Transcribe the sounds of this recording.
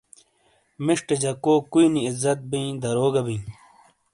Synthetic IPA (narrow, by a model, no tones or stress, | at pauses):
miʂʈed͡ʑɐkoːkuiniːzːɐt̪̚bĩːd̪ɐɾoːɡɐbĩː